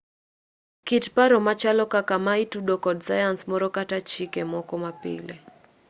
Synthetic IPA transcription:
kitpaɾɔmat͡ʃalɔkakamaitudokɔdsajansmɔɾɔkatat͡ʃikemɔkɔmapɪ̰le

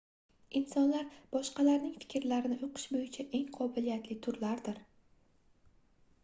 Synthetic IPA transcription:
insɒnlaɾb̥ɒʃqɑlaɾnɪŋfɪ̥kʲɾlaɾɪnɪʔoqʰɨ̥ʃbojɪt͡ʃʰaʔe̞ŋqʰɒbɪlijat̪lɪt̪ʰʊɾlaɾd̪ɪɾ

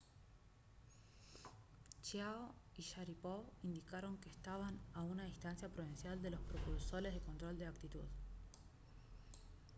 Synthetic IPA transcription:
t͡ʃjaoiʃaɾipoβind̪ikaɾo̞ŋkest̪aβanaunaist̪ansjapɾoβinsjald̪e̞lo̞spɾopulso̞ɾe̞zðeko̞nt̪ɾo̞ld̪e̞ak̚t̪it̪ṵð

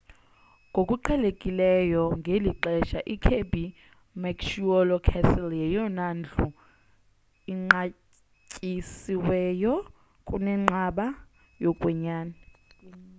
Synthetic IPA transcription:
ŋɡʱokʼuǃʰɛlekʼilɛjɔŋʱeliǃɛʃaʔikʰebi | makʃuɔlɔkʰɛsɛljɛjɔnand͡ɮʰʱʼu | iŋ͡ǃa | cʼisiwɛjɔ | kʼunɛŋ͡ǃaɓa | jɔkʼwɛɲaːnɛ

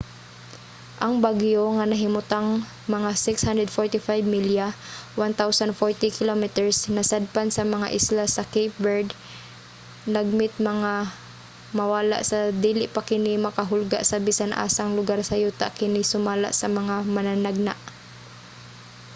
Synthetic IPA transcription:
ʔɐŋbaɡjoŋanɐɦɪmʊt̪aŋ | mɐŋasɪkshand̪ɾɛd̪foɹt̪ɪfajbmiljawant̪awsand̪fɔɹt̪ɪkɪlomɪt̪ɛɹsnɐsad̪̚pansɐmɐŋa̰ʔɪslasɐkɛjp̚bɛɹd̪ | naɡ̚mɪt̪̚mɐŋa | mɐwaːla̰ʔsɐd̪iːlɪʔpakɪnɪmɐkɐɦʊlɡa̰ʔsɐbisanʔa̰ːsaŋlʊɡaɾsɐjut̪a̰ʔkɪnɪsʊmaːla̰ʔsɐmɐŋamɐnanaɡ̚na̰ʔ

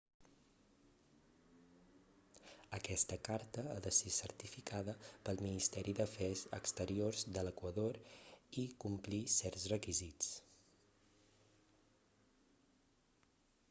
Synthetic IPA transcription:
əkɛst̪əkaɾt̪əaðəsesəɾt̪ifikʰaðəpəlˠminist̪ɛɾiðəfɛzə̰kst̪əɾiorzd̪ələkwəðoɾikumplisɛrzrəkizit͡s

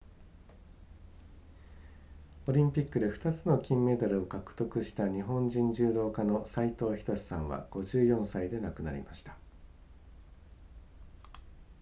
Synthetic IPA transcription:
o̞ɾʲĩmpʲikːɯ̟d̪e̞ɸɯ̟̥t̪at͡sɨno̞kʲĩmːe̞d̪aɾɯ̟o̞kakɯ̟̥t̪o̞kɯ̟ɕi̥t̪aɲ̟iɦõ̞ɲd͡ʑĩɲ̟d͡ʑɨːd̪o̞ːkano̞sait̪o̞ːçi̥t̪o̞ɕi̥sã̰ɰ̃βa̰ɡ̥o̞ʑɨːjõ̞ɰ̃said̪e̞nakɯ̟na̰ɾʲḭmaɕi̥t̪ḁ

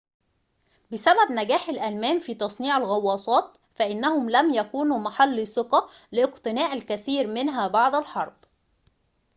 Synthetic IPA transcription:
bɪsæbæbnæɡæːħɪlʔælmæːmfiːt̪ˤɑsˤniːʕalɣɑwːɑːsˤɑːt̪ | fæʔɪnːæhʊmlæmjækuːnuːmaħalːsɨqɑ | lɪʔɪqt̪ɪnæːʔælkæθiːɾmɪnɦæbɑʕd̪ˤælħɑɾˤb̥

